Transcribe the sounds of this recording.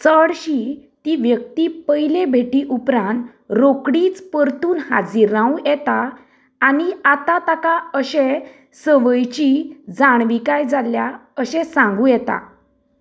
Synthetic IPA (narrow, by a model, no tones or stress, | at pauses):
t͡səɽɕit̪iʋjək̚t̪ipəjlebʱeʈiːʔupɾãnt̪ | ɾokɽiːt͡spəɾt̪uːnha̰d͡ziɾãwjɛt̪aː | niat̪at̪akaəɕɛ̃ | səʋəjt͡ɕid͡zaɳʋikajd͡zaljaəɕɛ̃sãŋɡũjɛt̪a̰